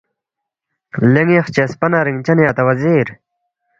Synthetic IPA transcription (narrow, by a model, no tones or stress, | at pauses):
leŋeχt͡ɕespɐnaɾiŋt͡ɕɐnjaːt̪ɐwɐziːɾ